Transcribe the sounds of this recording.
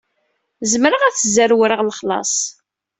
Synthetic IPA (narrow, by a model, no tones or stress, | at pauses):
zmɾəʁæθzəɾwɾəʁləχlɑ̰sˤ